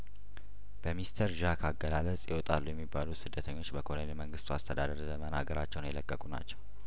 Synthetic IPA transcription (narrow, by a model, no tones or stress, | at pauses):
b̥əmist̪ʰəɾʒakʰaɡːəlalət͡sʼjɛwɔt̪ʼalːujɛmːibːalusɨd̪ːət̪ʰəɲːo̞t͡ʃːbəkʰonenməŋɡɨst̪ʰuast̪ʰəd̪ad̪əɾzəmənaɡəɾat͡ʃːɛwnjɛləkʼːəkʼuna̰t͡ʃːɛw